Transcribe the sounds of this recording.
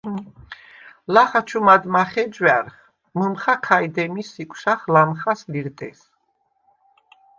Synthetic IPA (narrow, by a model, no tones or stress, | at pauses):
laχat͡ʃʰumad̪maχɛd͡ʒwaɾχ | məmχakʰajd̪ɛmisikʷʰʼsaχlamχasliɾt̪ʼɛs